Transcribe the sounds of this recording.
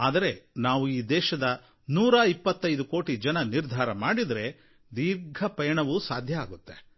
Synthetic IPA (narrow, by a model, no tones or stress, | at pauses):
aːd̪ɐɾe̞naːʋuiːd̪ɛːʃɐd̪ɐ | nuːɾaːipːɐt̪ːɐjd̪uko̞ːʈid͡ʒɐnɐniɾd̪ʱaːɾɐmaːɽid̪ɾe̞ | d̪iːɾɡʱɐpɐjɐɳɐʋusaːd̪ʱjɐaːɡut̪ːe